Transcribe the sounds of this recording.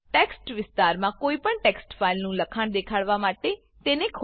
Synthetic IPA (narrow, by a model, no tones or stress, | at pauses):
ʈɛːksʈʋɪst̪aːɾmãːkoːiːpəɳʈɛːksʈpʰaːɪlnũːləkʰaɳd̪eːkʰaːɽʋaːmaːʈ̪eː | t̪eːnẽːkʰ